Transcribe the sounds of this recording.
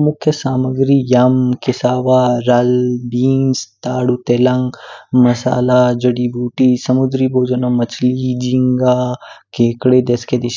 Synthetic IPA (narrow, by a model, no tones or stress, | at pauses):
mʊkʰjɐsaːməɡɾijɐmkɪsaːʋaɾɐlbiːnst̪aːɽut̪elɐŋɡmɐsa̰ːlad͡ʒɐɽibuːʈisɐmʊd̪ɾiboːd͡ʒɐnamɐt͡ʃʰlid͡ʒiŋɡaːkeːkɽed̪esked̪ɪʃ